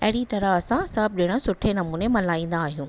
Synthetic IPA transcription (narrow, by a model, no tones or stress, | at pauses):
ɐɦɪɽit̪ɐɾəɐsãsɐb̚ɗɪɽ̃ə̆sʊʈʰenɐmũːnemɐlaːĩːn̆d̪aːɦijũː